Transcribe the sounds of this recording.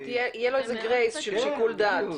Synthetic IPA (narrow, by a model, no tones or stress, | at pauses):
t̪ijeijeloezeɡʁejzʃelʃekuld̪at̪